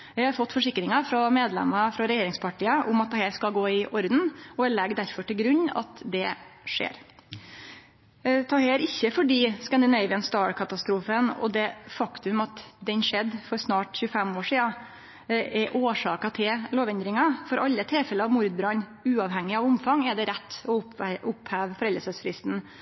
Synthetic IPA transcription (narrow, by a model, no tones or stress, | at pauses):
jæhɑɾfɔt̪ːfɔʂɪkːɾɪŋɑfɾɔmeːd̪lɛ̰mɑfɾɑɾɛjeːɾɪŋspʰɑʈʰiːəʔʊ̰mɑt̪d̪ɛhɛːɾskɑlɡoːɪʔɔɾd̪n̩ɔæɭɛɡd̪æɾfɔʈɪlɡɾʉɲːɑ̰t̪d̪ɛʂḛːɾ | t̪ʰɑːheːɾɪçːəfɔɖiːskɑnd̪ɪnɛɪʋɪənst̪ɑːɹkʰɑt̪ɑst̪ɾuːfənɔ̰d̪ɛfɑkt̪ʉmɑt̪d̪ɛnʂɛd̪ːfɔɾsnɑːʈçʉəfɛmoːʂiːɑ | ʔɛɾʔoːʂɑːkɑt̪ʰɪlloːʋɛnd̪ɾɪŋɑfɔɾʔɑlːət̪ʰɪlfɛləɑʋmʊɾd̪bɾɑnʉːɑʋhɛŋːɪɑʋʊmfɑŋɛɖ̪ɛɾɛt̪ːɔʊʊphæːʋfɔɾɛləsəsfɾɪst̪n̩